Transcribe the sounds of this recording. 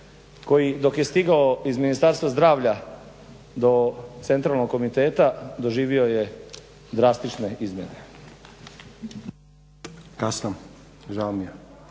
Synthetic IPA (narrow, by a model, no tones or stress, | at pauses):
ko̞jid̪o̞kje̞st̪iɡaoizminist̪aɾst̪ʋazd̪ɾaːʋʎa | d̪o̞t̪se̞nt̪ɾaːlˠnoɡ̚kːo̞mit̪e̞ːt̪ad̪o̞ʒiːʋio̞je | d̪ɾast̪it͡ʃne̞izmʲjḛne̞ | kasnam | ʒalmija